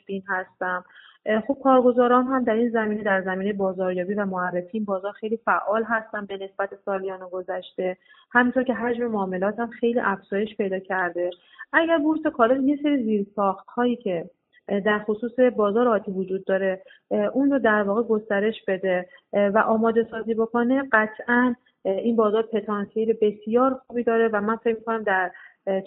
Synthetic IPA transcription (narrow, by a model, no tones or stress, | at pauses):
finhæst̪æm | xo̞b̥̚kʰɒːɾɡo̞zɒːɾɒːnɦæmd̪æɾiːnzæmiːne̞d̪æɾzæmiːnejebɒːzɒːɾjɒːbivæmoærːe̞fiːnbɒːzɒːɾxe̞jlifæʔɒːlɦæst̪ænbe̞ne̞sbæt̪ʰe̞sɒːlijɒːnoɡozæʃt̪e̞ | hæmint̪ʰo̞ɾce̞ɦæd͡ʒme̞moːme̞lɒːt̪hæmxe̞jlḭːʔæfz̥ɒːje̞ʃpe̞jd̪ɒːcʰæɾd̪e̞ | ʔæɟæɾbuɾsekʰɒːlet̪je̞se̞ɾiːziɾsɒːxt̪hɒːjiːcʰe̞ | d̪æɾxosuːse̞bɒːzɒːɾeɒːt̪ʰivod͡ʒuːd̪ːɒːɾe̞ | ʔunrod̪æɾvɒːɣe̞ɡo̞st̪æɾe̞ʃb̥e̞d̪e̞væʔɒːmɒːd̪e̞sɒːziːbo̞kʰone̞ɢæt̪ʰʔæn | ʔinbɒːzɒːɾepʰe̞t̪ʰɒnsʰeelebe̞sjɒːɾxuːbiːd̪ɒːɾe̞væmænfe̞cmikʰonæmd̪æɾ